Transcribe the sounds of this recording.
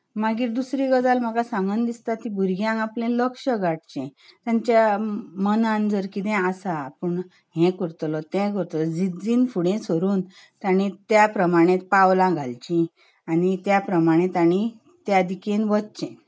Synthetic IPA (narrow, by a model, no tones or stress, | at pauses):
maɡiːɾd̪usɾiɡəd͡zalm̤əɡasãŋɡənd̪ist̪at̪ːĩbʱuɾɡjãŋɡaplẽləkʂəɡaɽt͡ɕɛ̃t̪jãɲt͡ɕjamənãnd͡zəɾkit̪ɛ̃asapəɳ | ɦɛ̃kəɾt̪lɔt̪ɛ̃k̬əɾt̪lɔd͡zid͡ziːnfuɽẽsəɾuːn | t̪aɽ̃it̪japɾəmaɽ̃ẽt̪̚pawlãɡʱalt͡ɕĩ | aɽ̃it̪japɾəmaɽ̃ẽt̪aɽ̃i | t̪jad̪ikenʋət̪t͡ɕɛ̃